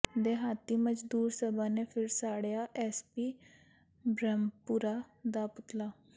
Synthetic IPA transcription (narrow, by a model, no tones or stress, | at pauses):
d̪eːɦaːt̪iːməd͡ʒd̪uːɾsəbaːneːpʰɪɾsaːɽjaːʔɛːspiː | bɾɛmpuːɾaːd̪aːpʊt̪laː